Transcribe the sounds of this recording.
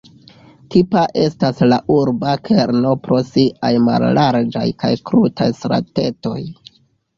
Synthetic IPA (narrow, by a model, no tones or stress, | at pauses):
tipaʔe̞staslaʔuɾbakʰe̞ɾno̞pɾo̞siʔajma̰lːaɾd͡ʒa̰jkajkɾutajsɾa̰te̞to̞j